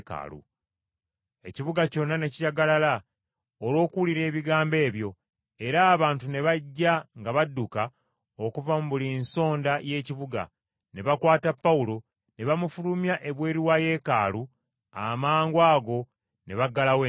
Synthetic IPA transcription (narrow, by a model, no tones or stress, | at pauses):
ka̰lṵ | e̞ciβuɡaco̞nːane̞cijaɡalala | olwo̞ːkuuliɾe̞ːβiɡaːmbe̞ːβjo̞ | e̞ɾaːβaːntune̞βaɟːaŋɡaβadːuka | okuvamuβulinso̞ːndaje̞ːciβuɡa̰ | ne̞βakwaːtapːawulo̞ | ne̞βamufulumjaʔe̞βwe̞ːɾiwaje̞ːkaːlu | a̰maːŋɡwaːɡo̞ | ne̞βaɡːalawe